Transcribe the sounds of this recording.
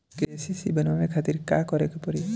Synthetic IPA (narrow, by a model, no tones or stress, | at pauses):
kesisibənmanekʰat̪iɾka̰kɔɾekupɔɾi